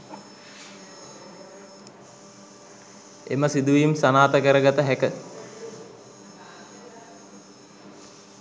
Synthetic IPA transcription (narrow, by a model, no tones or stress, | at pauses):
ḛməsid̪uʋijumsanaːt̪əkəɾəɡat̪əɦækə